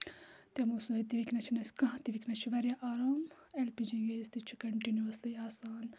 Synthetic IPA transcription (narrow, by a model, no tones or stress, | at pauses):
t̪ɐmoːsuɦet̪iʋiknɐt͡ʃʰinɐskɐ̃ɦt̪iʋikʰnɐt͡ʃʰiʋɐɾjaʔaːɾaːm | elpid͡ʒiɡeːst̪it͡ʃʰu̥kɐɳʈinjuɐslɐaːsaːn